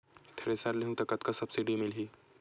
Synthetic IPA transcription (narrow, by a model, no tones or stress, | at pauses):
t̪ʰɾesalleɦũt̪ɐkɐt̪kasɐbsiɖimɪlɦi